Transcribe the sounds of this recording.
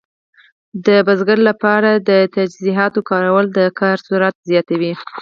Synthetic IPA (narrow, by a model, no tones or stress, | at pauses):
d̪əbazɡaɾlapɑɾad̪ət̪ad͡ʒziɦɑt̪okɑɾawəld̪əkʰɑɾsuɾat̪zjɑt̪awi